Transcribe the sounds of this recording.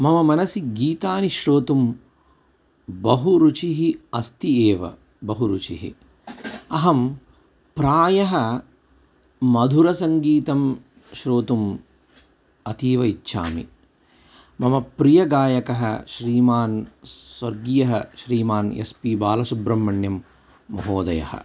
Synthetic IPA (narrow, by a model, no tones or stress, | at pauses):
mɐmɐmɐnɐsiɡiːt̪aːniʃɾoːt̪um | bɐɦuɾut͡ʃiɦiɐst̪ieːʋɐ̰ | bɐɦuɾut͡ʃḭɦḭ | ɐɦɐm | pɾaːjɐɦɐ | mɐd̪ʱuɾɐsɐŋɡiːt̪ɐm | ʃɾoːt̪um | ɐt̪iːʋɐitːʃa̰ːmḭ | mɐmɐpɾijɐɡaːjɐkɐɦɐ̰ʃɾiːmaːnswɐɾɡijɐɦɐʃɾiːmaːnḛspiːbaːlɐsubɾɐmːɐɳjɐmː | ɐɦoːd̪ɐjɐ̰hɐ̰